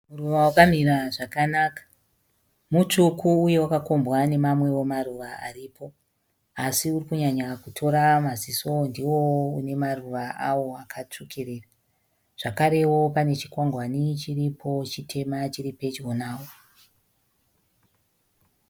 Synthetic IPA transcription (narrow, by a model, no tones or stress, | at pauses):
muruʋawakamiɾaʐakanaːkḁ | mut͡ʂukʰuːje̞wakako̞mbwane̞mamwe̞wo̞maruʋaa̰riːpʰo̞ | asiurikuɲaɲakutʰo̞ɾamaziso̞ndiwo̞une̞maruʋaʔawo̞akʰat͡ʂukʰeɾeːra | ʐ̥akaɾe̞wo̞pane̞t͡ʃi̥kwaŋɡwanit͡ʃiripʰo̞t͡ʃitʰe̞mat͡ʃiɾipe̞t͡ʃwonaːwo